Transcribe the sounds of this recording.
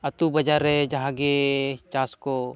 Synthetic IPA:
ɐt̪ubɐd͡ʒaɾɛd͡ʒɐɦãɡet͡ʃaːsko

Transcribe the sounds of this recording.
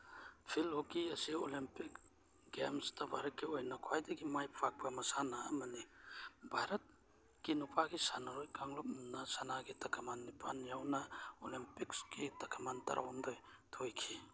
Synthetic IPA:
pʰilokiɐsio̰limpik | ɡḛmstabʱa̰ɾɐt̚kʰiojnakʰwajdeɡimajpʰak̚pamɐsanaːmanibʱajɾɐt̚ | kinupʰaɡisanaɾojkaŋlop̚nasanaɡitɐkʰamanːipʰa̰njawnaolimpikskitɐkʰamantɐ̰ɾʔa̰wɔmdoj | tʰojkʰi

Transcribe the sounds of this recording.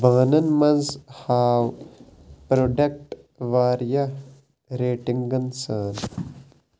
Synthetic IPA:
bɐɣnɐnmɐnzhaːw | pɾoːɖɐk̚ʈ | ʋaːɾjɐ | ɾeːʈiŋɡɡɐnsaːn

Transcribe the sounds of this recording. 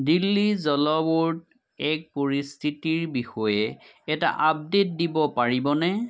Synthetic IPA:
dilːizɔlɔwuɹt | ɛk̚poɹistʰitiɹbixɔjɛ | ɛta̰ʔab̚det̚dibɔpaɹibɔnɛ

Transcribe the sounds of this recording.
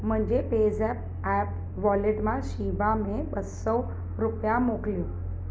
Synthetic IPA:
m̤əɳd͡ʑeped͡zɛp̚ | æp̚ | ʋɔleʈmaɕiʋamebəsəw | ɾupjamokljo

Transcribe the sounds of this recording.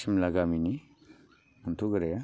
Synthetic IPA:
simlaɡamini | muntʰuɡɯɾeja

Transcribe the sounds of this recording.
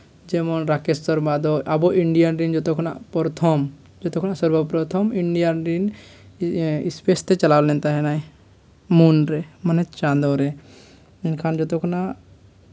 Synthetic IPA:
d͡ʒemɔnɾakesɔɾmad̪ɔʔabɔʔiɳɖijanɾind͡ʒɔt̪ɔkʰna̰pɔɾt̪ʰɔm | d͡ʒɔt̪ɔkʰnasɔɾbɔpɾɔt̪ʰɔmiɳɖijanɾin | ispest̪et͡ʃɐlawlɛnt̪aɦɛnaj | munɾemənet̪t͡ʃand̪ɔɾɛ | inkʰand͡ʒɔt̪ɔkʰna

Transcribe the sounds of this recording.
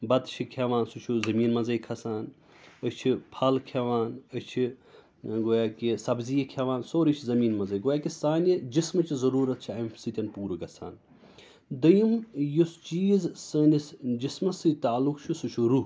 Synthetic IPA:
bɐt̪t͡ʃʰikʰeʋaːnsut͡ʃʰuzɐmiːnmɐzɐjkʰɐsaːn | ət͡ʃʰipʰɐlkʰeʋaːnət͡ʃʰi | ɡoːjaːkisɐbzijɐkʲʰeʋaːnsoːɾit͡ʃʰizɐmiːnmɐzɐjɡoːjaːkisaːnid͡ʒismɐt͡ʃizɐɾuːɾɐt̪̚t͡ʃʰiɐjmsit̪ʲɐnpuːɾɨɡɐsʰa̰ːn | d̪ɐjimjust͡ʃiːzsəːnisd͡ʒismɐsɨt̪aːlukt͡ʃʰusut͡ʃʰuɾu

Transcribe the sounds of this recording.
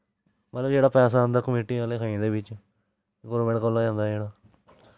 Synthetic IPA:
mət̪ləbd͡ʒeːɽaːpɛːs̬aːə̃nd̪aːkəmeːʈiːaːleːkʰaːĩd̪eːbɪt͡ʃ | ɡɔːɾmɛ̃ːɳʈkəlːaːd͡ʒãːnd̪aːd͡ʒeːɽaː

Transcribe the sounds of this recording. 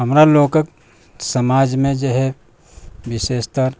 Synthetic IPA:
ɦəmɾaloːkək | səmaːd͡ʒmẽd͡ʒoɦɛ | ʋɪʃeːst̪əɾ

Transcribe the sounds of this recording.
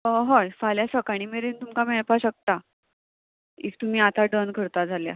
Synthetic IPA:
əɦɔjfaljasəkaɽ̃imeɾent̪umkameɭpaɕək̚t̪a | ḭk̚t̪um̤iːat̪aɖənkʰəɾt̪ad͡zʱalja̰

